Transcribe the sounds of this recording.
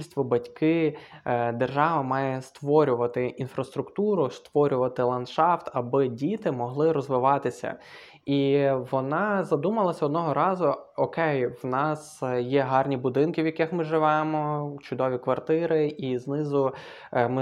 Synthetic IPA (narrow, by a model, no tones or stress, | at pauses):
ilʲsʲt̪ʋɔbɐtʲkɪ | d̪erʒɑʋɐmɑjɛst̪ʋɔɾʲʊʋɐt̪ɪʔinfɾɐst̪ɾʊkt̪uɾʊst̪ʋɔɾʲʊʋɐt̪ɪlˠɐnʃɑft̪ɐbɪdʲit̪ɪmɔɦlˠɪɾɔzʋɪʋɑt̪ɪsʲɐ̰ | iʋɔnɑzɐd̪umɐlˠɐsʲɐɔd̪nɔɦɔɾɑzʊɔkɛjwnɑsjɛɦɑrnʲibʊd̪ɪnkɪwjɐkɪxmɪʒɪʋɛmɔt͡ʃʊd̪ɔʋʲikʋɐrt̪ɪɾɪʔiznɪzʊ | mɪ